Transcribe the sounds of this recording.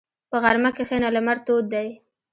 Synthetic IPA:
pəɣaɾmakexenalamaɾt̪od̪̚d̪aj

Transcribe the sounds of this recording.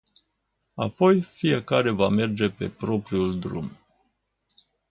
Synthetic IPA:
a̰po̞jfije̞kaɾe̞vame̞rd͡ʒe̞pe̞pɾo̞pɾiuld̪ɾṵm

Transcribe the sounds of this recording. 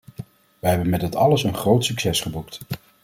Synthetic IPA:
ʋəɦɛbənmɛdɪtɑləsənχrowtsyksɛsχəbukt

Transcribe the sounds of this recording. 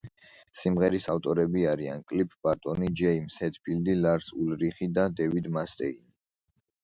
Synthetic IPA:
simʁɛɾisaft̪ʼɔɾɛbiaɾia̰nkʼlipʰʼb̥at̪ʼɔnid͡ʒɛimsɛt̪ʰbʰild̪ilaɾsulɾiχid̪ad̪ɛvid̪mast̪ʼɛini

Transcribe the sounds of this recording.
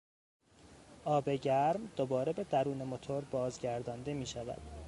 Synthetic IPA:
ʔɒːbe̞ɟæɾmd̪̥obɒːɾebe̞d̪æɾuːne̞mo̞t̪ʰoɾbɒːzɟæɾd̪ɒːnd̪e̞miːʃævæ̰d̪̥

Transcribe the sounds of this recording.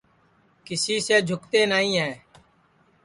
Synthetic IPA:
kɪsiːseːd͡ʒʱʊkt̪eːnaːĩːɦɛː

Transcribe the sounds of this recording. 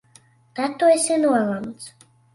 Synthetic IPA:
d̪̥at̪ʰːɔɛsɛnualˠams

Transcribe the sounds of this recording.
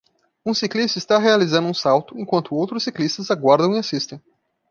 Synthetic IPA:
ũsiklist̪ɐist̪aɦealizɐ̃nd̪ʊũsawt̪ʊẽkwɐ̃nt̪ʊowt̪ɾʊsːiklist̪ɐzaɡwaɾd̪ɐ̃w̃iasist̪ẽj̃

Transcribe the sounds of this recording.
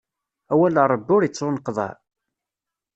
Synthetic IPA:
æwæləɾˤəbːʊɾjit͡sːonəqːðˤɑ̰

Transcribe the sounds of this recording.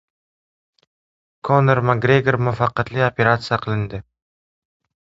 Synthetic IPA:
kʰoneɾmaɡɾeɡeɾmʊfɑqːɑt̪lɪopʰe̞ɾat̪sɨjaqʰɨlˠɪnd̪ɪ

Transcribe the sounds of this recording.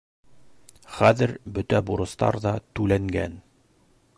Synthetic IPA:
χæðɘɾbɵ̆t̪æbuɾɤ̆st̪ɑ̰ɾðɑt̪ʉlæŋɡæ̰n

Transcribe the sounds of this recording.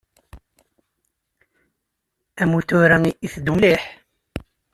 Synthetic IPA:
æmut̪ʊɾæiiθd̪uwliħ

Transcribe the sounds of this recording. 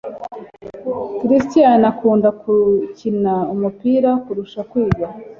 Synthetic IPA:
kiɾistijanakuːndakʰucinaumupiːɾakuɾuʃakwiːɡa

